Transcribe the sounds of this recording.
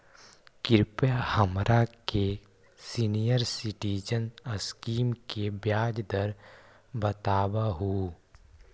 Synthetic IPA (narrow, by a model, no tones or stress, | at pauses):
kɪɾpahəmɾake | sinijəɾsɪʈiːd͡ʒənəskiːmkebjaːd͡ʒd̪əɾ | bət̪aːbaɦuː